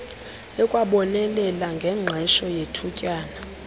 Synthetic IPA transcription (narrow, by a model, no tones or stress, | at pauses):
ɛkʼwaɓɔnɛlɛlaŋɡʱɛŋ͡ǁʱɛʃɔjetʰucʼaːna